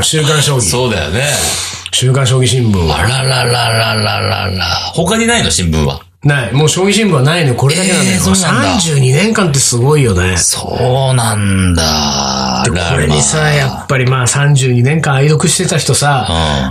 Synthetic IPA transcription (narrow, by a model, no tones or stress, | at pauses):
ɕɨːkãɰ̃ɕo̞ːɡʲisoːd̪a̰jo̰neɕɨːkãɰ̃ɕ̬oːɡʲiɕĩmbɯ̟̃ɰ̃βa̰aɾaaɾaɾa̰ɾa̰ɾaho̞kaɲinainoɕĩmbɯ̰̃βa̰ | naimoːɕo̞ːɡʲiɕĩmbɯ̃βanainoko̞ɾed̪akeãkosãɲd͡ʑɨːɲ̟inẽ̞ŋkãnt̪̬ːe̞sɨɡo̞ijo̞nesonãnd̪a | d̥̪edko̞ɾe̞̰ɲisajapːaɾʲimaːsãɲd͡ʑɨːɲ̟inẽ̞ŋkãaid̪o̞kɯ̟ɕi̥t̪e̞t̪açi̥t̪o̞sã